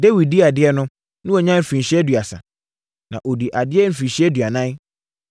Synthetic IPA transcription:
de˦wi˨di˦a˨dɪ˦ɛ˦nʊ̃˦ | nʊ̃˦ɔ˨ɲã˦m̩˨fĩ˨ɕɪ˦ɛ˦dɥa˨sa̰˨ | nã̰˨ʔo˨di˨ʔa˨dɪ˦ɛ˦m̩˦fĩ˨n˨ɕi˦ɛ˦dɥa˨nã˦

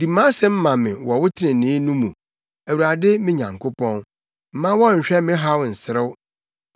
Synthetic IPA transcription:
di˨mã˦sɛ˦m̩˦mã˨mɪ̃˨wɔ˨wʊ˦tʰɪ˦ɪ̃˨nɪ̃˨˦nũ˦mũ˨ | æ˨wu˨ɾa˨dɪ˦mɪ̃˦ɲã̰˨ŋkʰʊ˦pʰɔ̃˦n | m̩˦mã˦wɔ˦ɲ̩˨ɕᶣɛ˦mɪ̃˦ɦa˦wʊ˨n̩˨sɪ˨˦ɾɪ˦w

